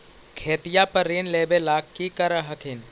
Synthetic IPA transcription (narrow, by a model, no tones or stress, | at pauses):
kʰeːt̪ijaːpɐɾːeːnleːbelaːkkːikɐɾəɦɐkʰɪn